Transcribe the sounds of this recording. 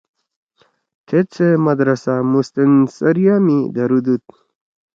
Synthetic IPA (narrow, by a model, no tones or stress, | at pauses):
t̪ʰet͡sʰemad̪ɾasamust̪ensɐɾijamid̪aɾud̪ut̪̚